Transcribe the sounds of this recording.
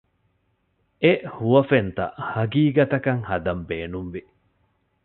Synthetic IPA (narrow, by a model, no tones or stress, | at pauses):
ʔehuʋɐfent̪ɐ̰ʔhɐɡiːɡɐt̪ɐkɐŋhɐd̪ɐmbeːnumʋi